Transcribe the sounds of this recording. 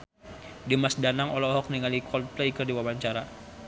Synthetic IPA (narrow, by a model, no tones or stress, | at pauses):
dimasdanaŋɔlɔɦɔk̚niŋalikʰɔnplɛikərdiwabaɲt͡ʃaɾa